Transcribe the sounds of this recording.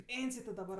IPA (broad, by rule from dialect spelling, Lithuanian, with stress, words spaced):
ˈpʲeːnʲsʲɪj tʲɪ dɐˈbɐr